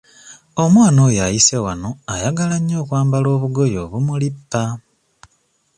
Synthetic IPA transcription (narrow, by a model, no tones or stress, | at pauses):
o̞mwaːno̞ːjajisewano̞ajaɡalaɲːo̞ːkwaːmbalo̞ːβuɡo̞jo̞ːβumulipːa